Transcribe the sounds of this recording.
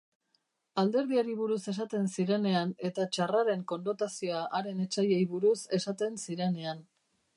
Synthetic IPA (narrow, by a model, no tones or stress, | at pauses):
ald̪e̞ɾð̞iaɾiβ̞uɾuse̞sat̪e̞nsiɾe̞ne̞ane̞t̪at͡ʃaraɾe̞ŋko̞nno̞t̪asio̞aʔaɾe̞ne̞t͡ʃaje̞jβuɾuse̞sat̪e̞nsiɾe̞ne̞an